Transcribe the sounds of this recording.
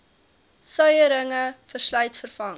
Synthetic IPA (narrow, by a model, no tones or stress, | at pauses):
sœɥəɾəŋəfərslœɥtfərfɐŋ